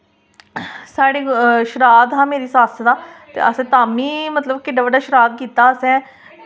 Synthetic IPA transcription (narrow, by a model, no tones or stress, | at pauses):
saːɽeːʃɾaːd̪ɦãːmeːɾiːsaːst̪aːt̪ḛːʔəsɛ̃ːt̪aːmĩːmət̪ləbkɪɖaːbəɖaːʃəɾaːd̪̚kiːt̪aːəsɛ̃ː